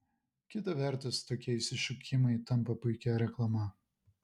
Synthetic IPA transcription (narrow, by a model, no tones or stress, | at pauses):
kʲɪt̪ɐʋʲɛɾt̪ʊst̪oːkʲiɛɪsʲɪʃʲʊkʲɪmɐɪt̪ɐmpɐpʊɪkʲɛɾʲɛklˠɐmɐ